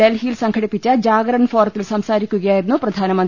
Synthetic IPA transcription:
elɦiːlsɐŋkʰɐɽipːit͡ɕːɐd͡ʑaːɡɾɐɳfʰoːɾt̪ːilsɐmsaːɾikʲːuɡɐjaːjienːupɾɐd̪ʱaːnɐmɐnt̪

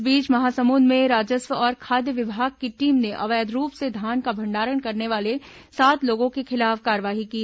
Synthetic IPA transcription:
biːt͡ʃmɐɦaːsɐmuːnmẽɾaːd͡ʒəsʋəɔːɾkʰaːd̪jəʋɪbʱaːɡ̚keʈiːmneʔɐ̰ʋəjəd̪ʱɾuːpsed̪ʱaːnkabʱɐ̃ɳɖaːɾəɽkɐɾneʋaːle | saːt̪loːɡõkexɪlaːfkaːɾʋaːɦiki

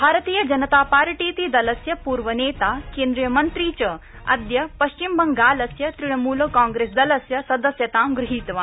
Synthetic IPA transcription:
bʱaːɾɐt̪iːjɐd͡ʒɐnɐt̪aːpaːɾʈiːt̪iːd̪ɐlɐsjɐpuːɾʋɐneːt̪aːkeːnd̪ɾiːjɐmɐnt̪ɾiːt͡ʃɐ | ɐ̰d̪jɐpɐʃt͡ʃimbɐŋɡaːlɐsjɐt̪ɾiɽ̃ɐmuːlkãːŋɡɾeːsd̪ɐlɐsjɐsɐd̪ɐsjɐt̪aːmɡɾɪɦiːt̪ʋaː

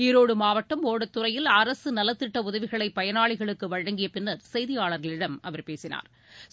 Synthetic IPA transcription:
iɾoːɽɯmaːʋɐʈːɐmoːɽɐt̪ːɯrɐjɪlɐɾɐsɯnɐlːɐt̪ːɪʈːɐʊðɐʋɪɣɐɭɐɪpːɐjɐnaːɭɪɣɐɭɯkːɯʋɐɻɐŋɡɪjɐpɪnːɐɾsɛjðɪjaːɭɐɾɣɐɭɪɽɐmʔɐʋɐɾpeːsɪna̰ːɾ

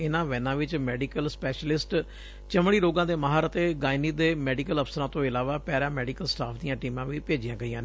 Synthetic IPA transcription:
ɪnãːʋɛːnãːʋɪt͡ʃmɛːɖiːkəlspɛːʃəlɪsʈ | t͡ʃəmɽiːɾoːɡãːd̪eːmaːɦaːɾət̪eːɡaːɪniːd̪eːmɛːɖikələpʰsəɾãːt̪õːɪlaːʋaːpɛːɾãːmɛːɖiːkəlsʈaːpʰd̪ijãːʈiːmãːʋiːpeːd͡ʒijãːɡəiːãːneː

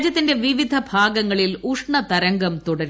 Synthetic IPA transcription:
d͡ʑjɐt̪ːinde̞ʋiʋid̪ʱɐbʱaːɡɐŋːɐɭiluʂɳɐt̪ɐɾɐŋɡɐmt̪uɽɐɾ

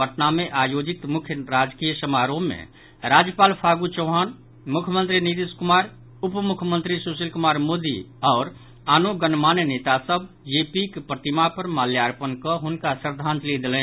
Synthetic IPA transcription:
əʈnameʔajod͡ʒit̪mukʰjəɾad͡ʒkijəsəmaɾoːḛ̃ | ɾad͡ʒjəpaːlpʰaɡut͡ʃɔʊɦan | mukʰjəmə̃nt̪ɾinit̪iskumaɾ | upmukʰjəmənt̪ɾisusilkumaɾmod̪ḭ | ɔːɾ | aːnoɡənmannet̪asəb | jepikpɾət̪imapəɾmaljaɾpənkɔɦunkasəɾd̪ʱãnt̪lid̪elɛ̃

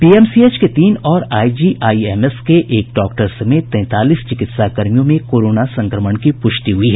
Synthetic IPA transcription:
piːɛmsiet͡ʃket̪iːnɔːɾaːid͡ʒiːʔaːiemeskeʔeːk̚ɖɔːk̚ʈəɾsɐmeːt̪ːɛ̃ːt̪aːliːst͡ʃɪkɪt̪sakəɾmijõmẽkoːɾoːnasɐ̃ŋkɾəməɳkipʊʃt̪iɦʊiɦɛː

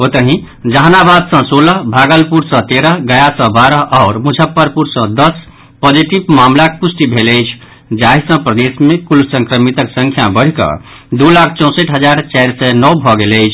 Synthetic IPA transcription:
ot̪əɦĩ | d͡ʒəɦnabad̪sə̃soləɦbʱaɡəlpuɾsə̃t̪eɾəɦɡəjasə̃baɾəɦʔaʊɾmud͡ʒʱəpːəɾpuɾsə̃d̪əs | pɔd͡ʒiʈibmamlakepusʈibʱeləjt͡ʃʰ | d͡ʒaɦisə̃pɾəd̪esmekulsə̃ŋkɾəmit̪əksə̃ŋkʰjabəɽ̤ikʌ̰d̪ulakʰt͡ʃɔ̃ʊ̃səʈɦəd͡ʒaɾt͡ʃajɾsɛnɔwbʱɔɡeləjt͡ʃʰ

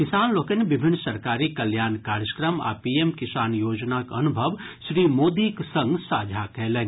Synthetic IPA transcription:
kɪsaːnloːkəneʋɪbʱɪnːsɐɾkaːɾikɐljaːnkaːɾjəkɾəma̰ːpiːemkɪsaːnjoːd͡ʒnakɐnʊbʱəʋ | ʃɾiːmoːd̪iksɐ̃ŋɡsaːd͡ʒʱakɛɦlen

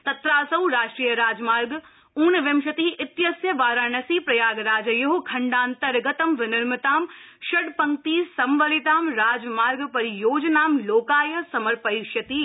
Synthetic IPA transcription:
t̪ɐt̪ɾaːsɐʋɾaːʃʈɾiːjəɾaːd͡ʒmaːɾɡ | uːnʋɪmʃɐt̪iʔɪt̪jɐsjɐʋaːɾãːnɐsiːpɾɐjaːɡɾaːd͡ʒɐjɐɦokʰɐ̃ɳɖaːnt̪ɐɾɡɐt̪ɐmʋɪnɪɾmɪt̪aːm | ʃɐɽpɐ̃ŋkt̪iːsɐmʋɐlɪt̪aːmɾaːd͡ʒmaːɾɡpɐɾijoːd͡ʒnaːmloːkaːjɐsɐməɾpɐiʃɐt̪i

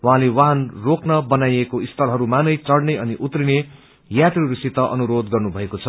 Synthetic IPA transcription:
wãɦãlewaɦanroknʌbʌnajekoist̪ʰʌlɦʌɾumanʌjt͡sʌɽneʌniʔut̪rine | jat̪riɾisit̪ʌʔʌ̰nuɾod̪ɡʌrnubʱʌekot͡sʰʌ

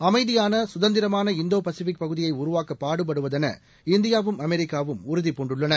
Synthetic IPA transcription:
ɐmɐɪðɪjaːnɐsʊðɐnd̪ɪɾɐmaːnɐɪnd̪oːpɐsɯʋɪk̚pɐɣɯðɪjɐɪʊɾʊʋaːkːɐpːaːɽɯp̬ːɐɽɯʋɐðɛnɐ̰ | ɪnd̪ɪjaːʋɯmɐmɛɾɪkːaːʋɯmʊɾʊðɪpːɔɳɖɯɭːɐnɐ

